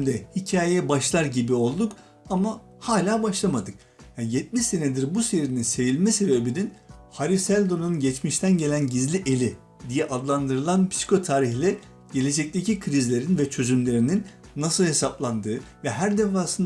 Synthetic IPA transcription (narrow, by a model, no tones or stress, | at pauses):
md̪ɛhicʰaːjɛbaʃlˠaɾɟibio̞lˠd̪uk | ama | haːlʲaːbaʃlˠamad̪ɯk̚ | jajɛt̪̚miʃse̞ned̪iɾbuse̞ɾininse̞jilʲmɛse̞be̞bininhaɾisælʲd̪o̞nunɟɛt͡ʃmiʃt̪ʰænɟe̞lʲænɟizlʲiʔelʲi | d̪ijɛʔad̪lˠand̪ɯɾɯlˠanpʰsi̥kʰo̞t̪ʰaːɾiçlʲɛ | ɟ̥e̞lʲe̞d͡ʒɛc̚t̪ʰe̞cikʰɾizlʲe̞ɾinvɛt͡ʃʰø̞zymlʲe̞ɾininː | asɯlˠhe̞saplˠand̪ɯːvɛɦæɾd̪efaːsɯn